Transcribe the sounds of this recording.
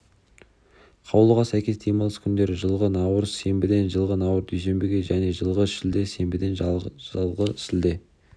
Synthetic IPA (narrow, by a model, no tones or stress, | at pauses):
qʰɑwlˠəʁɑsæjkʲe̞sd̪ʰejmɑlˠəskʲʰʏnd̪e̞ɾɪʒəlˠʁənɑwəɾzse̞mbɪd̪e̞nʒəlˠʁənɑwəɾd̪ʰyjs̬e̞mbɪɡʲe̞ʒæne̞ʒəlˠʁəʃɪld̪e̞se̞mbɪd̪e̞nʒʒɑlˠʁəsɪld̪e̞